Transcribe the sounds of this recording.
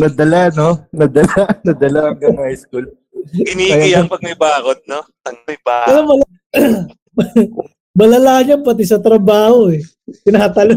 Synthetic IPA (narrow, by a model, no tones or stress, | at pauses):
nɐd̪ɐlanonɐd̪ɐlanɐd̪ɐlaɐŋɡɐŋmɐɐɪskul | ɪniɐjajɐk̚pɐɡ̚mɐjbaːkod̪̚no | ɐɡmɐjbaːɐlamɐla | mɐlɐlaɲɐmpɐt̪̬ɪs̬ɐt̪ɾɐbaːho̞ɛ | pɪnɐɐt̪ɐlo